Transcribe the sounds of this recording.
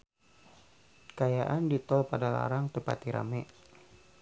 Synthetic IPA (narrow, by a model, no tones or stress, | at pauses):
kajaʔandit̪ɔlpadala̰ɾaŋt̪əpa̰t̪iɾa̰mɛ